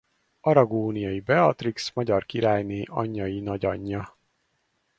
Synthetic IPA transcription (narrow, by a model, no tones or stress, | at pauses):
ɒɾɒɡoːnijɒjibɛɒt̪riksmɒɟɒrkiɾaːjneːʔɒɲːɒjinɒɟɒɲːɒ